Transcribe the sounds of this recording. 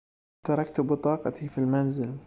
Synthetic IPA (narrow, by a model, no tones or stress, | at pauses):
t̪ɑɾˤɑkt̪ʊbɨt̪ˤɑːqɑt̪ifilmanzɪl